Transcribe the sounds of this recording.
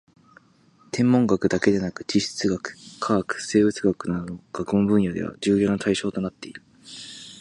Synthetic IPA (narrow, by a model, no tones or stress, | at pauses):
t̪ʰẽ̞mːõ̞ŋɡakɯ̟d̪ake̞d̪e̞nakɯ̟̥t͡ɕiɕi̥t͡sɨɡakɯ̟̥kʰaːkɯ̥se̞ːbɯ̟t͡sɨɡakɯ̟nad̪o̞no̞ɡ̥akɯ̟ombɯ̟̃ɰ̃jad̪e̞̰βa̰d͡ʑɨːjo̞ːnat̪ʰaiɕo̞ːt̪o̞nat̪ːe̞iɾɯɯ